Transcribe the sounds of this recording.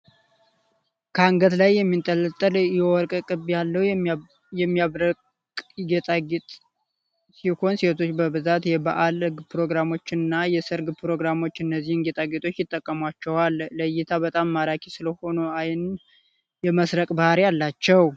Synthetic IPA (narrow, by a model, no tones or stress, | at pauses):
kʰəaŋɡət̪lajːɛmːint̪ʼələt̪ʼːəljɛwɔɾkʼkʼɨβjalːəhw | jɛmːiaɾʼ | ɡet̪ʼaɡt̪ʼ | siho̞nset̪ʰo̞t͡ʃːbəbɨzat̪jɛbaʔalɡpɾo̞ɡɾamo̞t͡ʃːɪnːajɛsɨɾɡpɾo̞ɡɾamo̞t͡ʃːɨnːəzːihɨnɡet̪ʼaɡet̪ʼʰo̞t͡ʃːjɪt̪ʼːəkʼːəmwat͡ʃːɛwalːəjɪt̪ʰabət̪ʼamːaɾakʰisɨləho̞noajn | jɛməsɾəkʼbəhaɾjalːat͡ʃːɛw